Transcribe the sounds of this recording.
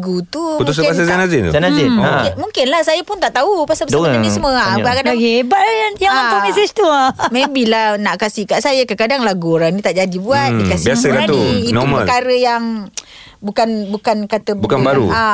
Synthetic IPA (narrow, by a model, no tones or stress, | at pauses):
ɡut̪uut̪usabas̬azanazɪnt̪ṵzanaiɪnmuŋkɪnlahsajapʊnt̪aʔt̪aupasapədanisəməaʔbakadaɡibaʔlajajaŋaamesɪt͡ʃt̪uamebilanaʔkasihkaʔsajakəkadaŋlaɡuoɾaŋnĩt̪aʔd͡ʒadibuat̪̚dikasibiasəkat̪uitnɔumaəlkaɾəjaŋ | bukanbukankat̪əbukanbaɾṵa